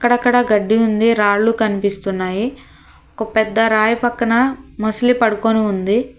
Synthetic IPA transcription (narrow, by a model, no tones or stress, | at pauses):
ɐkːɐɽɐkːɐɽɐɡɐɖːiund̪iɾaːɽlukɐnipist̪unːaːji | ɔkɐpɛd̪ːɐɾaːjɐpɐkːɐnɐmɐslipɐɽukoniund̪i